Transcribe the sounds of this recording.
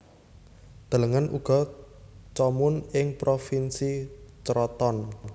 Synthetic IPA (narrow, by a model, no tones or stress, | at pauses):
d̪̥ə̤ləŋənṵɡ̥ɔ | t͡ʃɔmʊnɪŋpɾofinsit͡ʃɾɔt̪ɔn